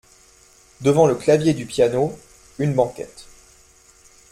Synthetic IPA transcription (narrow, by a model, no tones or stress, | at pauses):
d̪əvɑ̃ləklavjed̪ypjano | ynbɑ̃kʲɛ̰t̪